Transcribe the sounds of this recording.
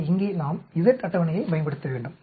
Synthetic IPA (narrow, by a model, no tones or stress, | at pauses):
ɪŋɡeːnaːmɪðɐʈːɐt̪ːɐʋɐnɐjɐɪbɐjɐmbɐɽɯt̪ːɐʋeːɳɖɯm